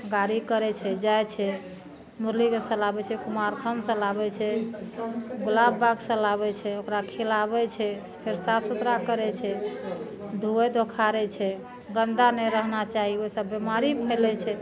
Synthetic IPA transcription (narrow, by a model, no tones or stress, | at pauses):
ɡaɾikəɾɛt͡ʃʰɛd͡ʒajt͡ʃʰɛ | muɾlikesə̃labɛt͡ʃʰɛkumaɾkʰəmsə̃labɛt͡ʃʰɛ | ɡulabbaɡsə̃laβɛt͡ʃʰɛokɾakʰelabɛt͡ʃʰɛ | pʰeɾsapsut̪ɾakəɾɛt͡ʃʰɛ | d̪ʱuɛd̪okʰaɾɛt͡ʃʰɛ | ɡənd̪anɛɾəɦnat͡ʃaɦiosəbːemaɾipʰɛlɛt͡ʃʰɛ